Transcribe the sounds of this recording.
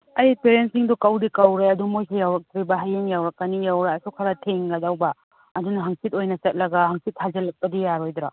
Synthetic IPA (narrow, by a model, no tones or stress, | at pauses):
ɐjpeɾensiŋdɔkɐwdikɐwɾejɐdumojsʰejawɾɐk̚t̪ɾibɐɦajeŋjawɾɐk̚ːɐnijawɾaɐsukʰɐɾɐtʰeŋɡɐdawbɐː | dunɐɦaŋsit̚ojnɐsɐt̚lɐɡɐɦaŋsit̚hʰazɐlɐk̚pɐdijaɾojdɾa